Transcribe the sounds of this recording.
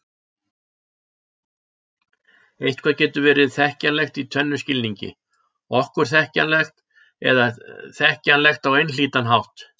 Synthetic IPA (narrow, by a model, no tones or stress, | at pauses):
ejht̪̚kʰvaːcɛːt̪ʏvɛːɾɪðθɛhcanlɛxt̪it̪ʰœnːʏscɪlniɲcɪ̰ | ɔhkʏɾ̥θɛhcanlɛxt̪ | ɛ̰ðaθɛhcanlɛxt̪awejnl̥iːt̪anɦawht̪